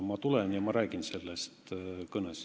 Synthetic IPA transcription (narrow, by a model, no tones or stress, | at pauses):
mɑt̪ulenjɑmɑɾæːɡ̥inse̞lːest̪kɤnes